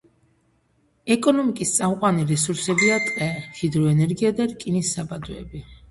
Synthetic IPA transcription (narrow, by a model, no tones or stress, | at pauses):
ɛkʼɔnɔmikʼist̪sʼamqʼwaniɾɛsuɾsɛbiat̪ʼqʼɛχid̪ɾɔɛnɛɾɡiad̪aɾkʼinisːabad̪ɔɛbi